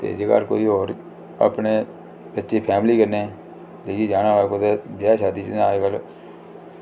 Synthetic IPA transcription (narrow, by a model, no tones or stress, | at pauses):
t̪ḛːd͡ʒeka̰ːɾko̰ːiːɦoːɾ | ə̰pneː | bətːʃeːpʰɛːmliːkəɾne | d̪eɡiːd͡ʒaːnãːʋaːkoːt̪eːbjaːʃaːd̪iːt͡ʃnaːkəl